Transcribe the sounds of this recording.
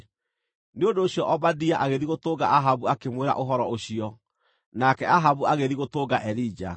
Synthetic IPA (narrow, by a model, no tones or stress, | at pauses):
neondoːɕjɔʔɔbadiaʔaɣeðiɣotoːɡa̰aɦaβuakemweɾa̰ʔoɦɔɾɔoɕiɔ | nakɛaɦaβuaɣeðiɣotoːɡaʔɛɾid͡ʒa̰